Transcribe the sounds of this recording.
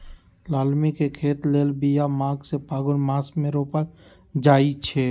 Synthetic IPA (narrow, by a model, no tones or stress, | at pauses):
laːlmikekʰeːt̪leːlbijamãːɡsepaːɡʊnmaːsmẽɾoːpaɾ | d͡ʒaːit͡ʃʰeː